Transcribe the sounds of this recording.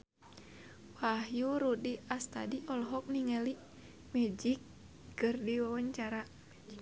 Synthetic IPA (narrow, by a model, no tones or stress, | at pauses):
wahjuɾudiast̪adiʔɔlɦɔk̚niŋɛli | mɛd͡ʒikː | ɨrdiwawaɲt͡ʃaɾa